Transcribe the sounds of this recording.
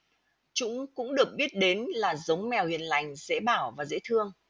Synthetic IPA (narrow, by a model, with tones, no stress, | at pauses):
t͡ɕʊ̰˧˥ŋ͡mkʊ̰˧˥ŋ͡mɗɨ˨˩ək̚ɓi˦˥ət̚ɗe˨˦nlaː˨˩zə˨˦wŋ͡mmɛ˨˩whi˨˩ənla˨˩jŋ̟zḛ˧˥ɓaː˧˩wvaː˨˩zḛ˧˥t̪ʰɨ˧əŋ